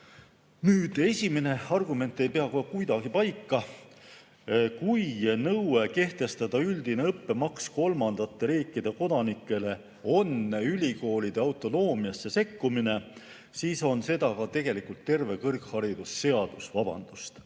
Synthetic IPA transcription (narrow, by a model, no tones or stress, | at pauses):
nyːd̪̥e̞sʲime̞ne̞ɑrɡume̞nt̪ːˑe̞jpe̞ɑkokujd̪ɑɡ̥ipɑjkːɑ | kujnɤweke̞ht̪e̞st̪ɑd̪̥ɑyld̪̥ine̞ɤpːe̞mɑksko̞lmɑnd̪̥ɑt̪ːe̞ɾiːkˑːid̪̥e̞ko̞d̪̥ɑnikːˑe̞le̞ | o̞nylʲiko̞ːlʲid̪̥eɑwt̪ˑo̞no̞ːmiɑsːe̞se̞kːumine̞ | siːso̞nse̞d̪̥ɑkɑt̪e̞ɡ̥e̞likult̪ːe̞rve̞kɤrkhɑɾid̪̥usːe̞ɑd̪̥usvɑb̥ɑ̰nd̪̥ust̪